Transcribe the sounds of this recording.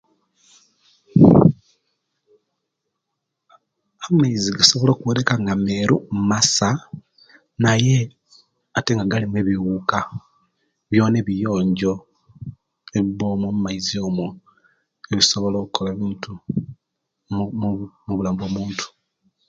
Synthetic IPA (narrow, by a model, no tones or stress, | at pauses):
amaiziɡaso̞βolo̞ːkuweɾekaŋɡame̞ɾummasa | naje̞ | ate̞ŋɡaɡalimwe̞ːβiwuka | βjo̞ːneβijo̞ːɲɟo̞ | eβiβo̞ːmomumaizio̞ːmo | eβiso̞βo̞lo̞ːkukʰo̞laβiːntu | muβulaːmboːmuːntʰu̥